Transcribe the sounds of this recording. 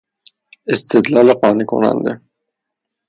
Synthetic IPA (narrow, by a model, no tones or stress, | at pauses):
ɪst̪ɪt̪lɑleqɑniko̰nɑ̰nd̪ḛ